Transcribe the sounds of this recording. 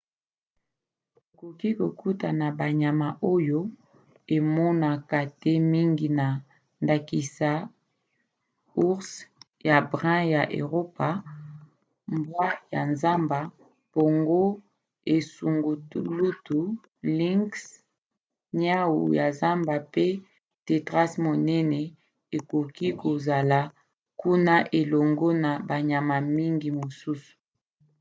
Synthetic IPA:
ko˨ki˦ko˨ku˦ta˨na˨ba˨ɲa˨ma˨ʔo˦jo˦ | e˨mɔ˦na˨ka˨te˦mi˦ŋɡi˨na˨ | nda˨ki˨sa˨˦ | u˦ʁs | ja˨bʁɛ̃˦ja˨ʔḛ˨ʁo˦pa˨ | mbwa˦ja˨nza˦mba˨ | b̥o˨ŋɡo˦ | e˨su˨ŋɡu˨tu˦lu˦tu˨ | li˦ŋks | ɲa˦wṵ˨ja˨za˦mba˨pe˦ | te˨tʁa˦smo˨nɛ˦nɛ˨ | e˨ko˨ki˦ko˨za˨la˨ | ku˦na˦ʔe˨lo˨ŋɡo˦na˨ba˨ɲa˨ma˨mi˦ŋɡi˨mo˨su˦su̥˨

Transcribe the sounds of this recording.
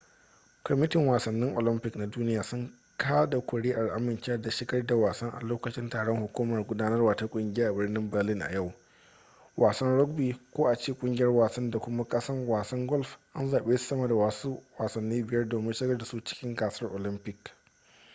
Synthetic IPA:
kɔ˨mɪ˦tɪ˨ŋwaː˨sɐ˨nːɪ˦ŋʔo̰˨lɪ˦mpɪ˦˨kna˨duː˦nɪ˦jaː˨sʊ˦ŋ | kʰaː˦da˨kʷʊ˨ɽeː˦ʔa˨lʔa˦mɪ˨nt͡ʃe˦ɐ˦da˨ʃɪ˦ɡɐ˦rda˨waː˨sɐ˦ŋʔa̰˨loː˦kɐ˨t͡ʃɪ˦ntaː˨ɽɔ˦ŋhʊ˨kʷuː˦mɐ˨rɡʷʊ˦daː˦nɐ˦rwaː˨ta˦kʷʼʊ˦ŋɡʲɪ˦jaː˦ʔa˨bɪ˦rnɪ˦mbɪ˨rlɪ˦nʔa̰˨ja˦˨w | wʔaː˨sɐ˦nɽɔ˦ɡ̚biː˨kʷoː˦ʔa˨t͡ʃeː˦kʷʼʊ˦ŋɡʲɪ˨jɐ˦rwaː˨sɐ˦nda˨kʷʊ˦ma˦kʼɐ˦sɐ˦rwaː˨sɐ˦ŋɡɔ˦lfʔa˦nzaː˨ɓeː˦su̥˨˦sɐ˦mɐ˨da˨waː˨su˦waː˨sɐ˨nːiː˦bɪ˨jɐ˦rdoː˨mɪ˦nʃɪ˦ɡɐ˦rda˨su˦t͡ʃɪ̥˦kʲɪ˦ŋɡaː˨sɐ˦rʔo˨lɪ˦mpɪ˨k

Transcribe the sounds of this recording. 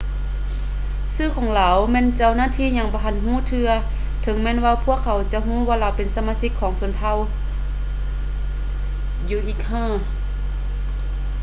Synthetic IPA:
sɯː˥˩kʰɔː˨˦ŋlaː˨˦wmɛː˧˨nt͡ɕa˧˨wnaː˧˥˨t̪ʰiː˧˥˨ɲa˧˩ŋbɔː˧˦ɦa˧˩nɦuː˧˥˨t̪ʰɯ˧ɐ | t̪ʰɤ˨˦ŋmɛː˧˥˨nwaː˧wpʰu˧˥˨əkʰːa˨˦wt͡ɕa˧˦ɦũː˧˥˨waː˧la˨˩wpe˨nsa˧maː˧˥˨si˧˥kʰːɔː˨˦ŋsu˨˩˦npʰa˧˨w | juː˧˩ʔiː˧˩k̚hɤː˧˥˨

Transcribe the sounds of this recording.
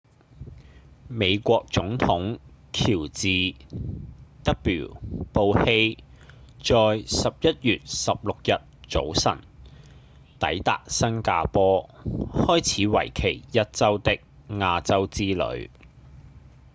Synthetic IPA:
me˨˧jkʷɔː˧k̚t͡sʊ˨˥ŋt̪ʰʊ˨˥ŋkʰiː˨˩wt͡siː˨ | t̪ɐ˥k̚pḭː˨˩wpo˧whe˥j | t͡sɔː˧jsɐ˨p̚jɐ˥t̚jyː˨t̚sɐ˨p̚lʊ˨k̚jɐ˨t̚t͡so̰˨˥wsɐ̰˨˩n | t̪ɐ̰˨˥jt̪a̰ː˨k̚sɐ˥ŋkaː˧pɔː˥hɔː˥jt͡sʰiː˨˧˥wɐ̰˨˩jkʰe˨˩jjɐ˥t̚t͡sɐ˥wt̪ɪ˥k̚ŋaː˧t͡sɐ˥wt͡siː˥lɵ̰˨˧˥ɥ

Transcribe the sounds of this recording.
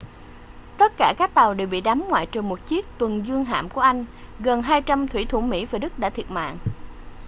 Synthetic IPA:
t̪ə˦˥t̚kaː˧˩kaː˦˥k̚t̪a˨˩wɗe˨˩wɓḭ˧˨ɗa˨˦mŋwa̰ː˧˨jt͡ɕɨː˨˩mo˨˩t̚t͡ɕi˦˥ək̚t̪wə˨˩nzɨ˧əŋɦa̰ː˧˨mku˧˩əʔa˧jŋ̟ | ɣə˨˩nɦaː˧jt͡ɕa˧mt̪ʰwḭ˧˩t̪ʰu˧˩mḭ˧˥vaː˨˩ɗɨ˦˥k̚ɗaː˧˥t̪ʰi˨˩ət̚ma̰ː˧˨ŋʔ

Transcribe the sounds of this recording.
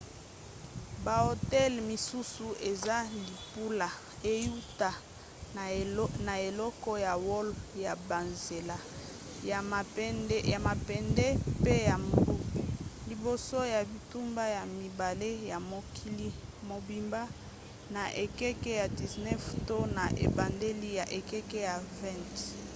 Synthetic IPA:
ba˨o˨tɛ˦lmi˨su˦su˨e˨za˦li˨pu˦la˨ | e˦ju˦ta˨ | na˨e˨lɔ˦kɔ˦ja˨wɔ˦lja˨ba˨nze˨la˦˨˦ | a˨ma˨pɛ˨ndɛ˦pe˦ja˨m˨lu˦ki˨li˨bo˨so˦ja˨bi˨tu˦mba˦ja˨mi˨ba˨le˦ja˨mo˨ki˦li˦mo˨bi˨mba˦ | na˨ʔe˨kɛ˦kɛ˦ja˨di˨znɛ˦fto˦na˨ʔḛ˨ba˨nde˦li˦ja˨ʔe˨kɛ˦kɛ˦ja˨vɛ̃˦˨nt

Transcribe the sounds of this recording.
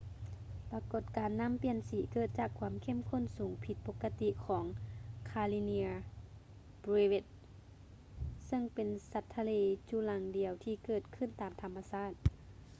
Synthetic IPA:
pa˧ko˧˩t̪̚kaː˨nːa˧˥˨mpi˧˩ənsiː˨˦kɤː˧˩t̪̚t͡ɕaː˧˩kʰwaː˧˦əmkʰe˧˥˨mkʰo˧˥˨nsuː˨˦ŋpʰi˧t̪̚po˧kːa˧t̪i˧˨kʰɔː˩˦ŋkʰaː˧li˧ni˧ | bɾe˧we˧˩t̪̚ | sɤ˧˨ŋpe˨nsa˧˦t̪ʰːa˧leː˧t͡ɕu˧˨la˧˦ŋdi˨əwt̪ʰiː˧kɤː˧˩t̪̚kʰɯ˧˨nt̪aː˨mt̪ʰa˧mːa˧saː˧˥˩t̪̚

